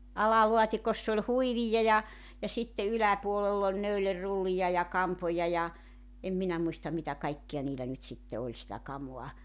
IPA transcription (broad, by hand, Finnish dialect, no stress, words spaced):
ɑlɑluɑtʲikosː olʲ huiʋijɑ jɑ jɑ sitːe ylæpuolelː olʲ næylerːulːijɑ jɑ kɑmpojɑ jɑ em minæ muistɑm̆ mitæ kɑikːij̆ɑ niːlæ nyt sitːe olʲ sitæ kɑmuɑ